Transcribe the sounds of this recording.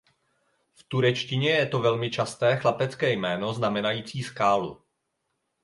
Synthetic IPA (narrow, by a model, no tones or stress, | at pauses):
ft̪uɾɛt͡ʃcɪɲɛjɛt̪o̞vɛlmɪt͡ʃast̪ɛːxlapɛt͡skɛːjmɛːno̞znamɛnajiːt͡siːskaːlṵ